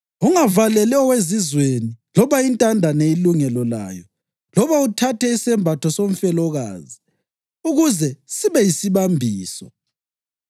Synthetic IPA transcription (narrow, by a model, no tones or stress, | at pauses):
uŋavalɛlɛɔwezizwenilɔβaintʼandʱaneiluŋɛlɔla̰ːjɔ | lɔβautʰatʰɛisɛmbʱatʰɔsoɱ̩fɛlɔɣa̰ːzi | uɣuzɛsiβɛjisiβambʱiːsɔ